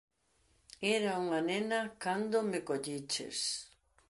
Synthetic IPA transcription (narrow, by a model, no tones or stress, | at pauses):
ɛɾauŋanenɐkand̪omɪkoʎit͡ʃḛs